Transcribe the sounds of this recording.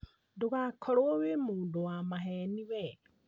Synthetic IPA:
ndoɣakʰɔɾoowemoːndowamaɦɛniwɛ

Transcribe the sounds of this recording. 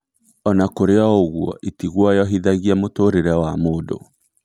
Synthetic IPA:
ɔnakoɾeɔoɣwɔ̰ʔitiɣwɔjɔɦiðaɣiamotoɾeɾɛwamoːdo̰

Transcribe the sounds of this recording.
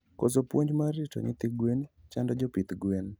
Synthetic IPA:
kosopwoɲd͡ʒmaɾɪtɔ̰nɪt̪iɡwent͡ʃandɔd͡ʒopit̪ɡwen

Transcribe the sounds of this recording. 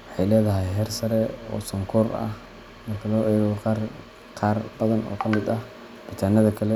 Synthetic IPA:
wħɑjlɛːðɐɦɐjɦɛːrsɐɾɛɔ̰ːsɐŋkʰɔːrɐ̰h | mɐrkʰɐðɔːɣɔqɑːr | qɑːrbɐðɐnʔɔ̰ːkʰɐmɪd̪ɐh | b̥ɪt̪ʰaːnɐðɐkʰɐlɛ

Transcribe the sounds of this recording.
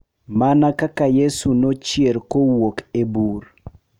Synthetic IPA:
manakakajesunot͡ʃjeɾkowokebur

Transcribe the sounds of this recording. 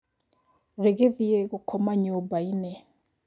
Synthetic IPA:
ɾeɣeðieɣukʰɔmaɲubaine

